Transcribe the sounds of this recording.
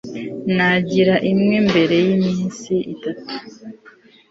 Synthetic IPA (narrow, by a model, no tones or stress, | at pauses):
naɟiɾaʔimŋe̞mbe̞ɾe̞jimiːnsiitatu̥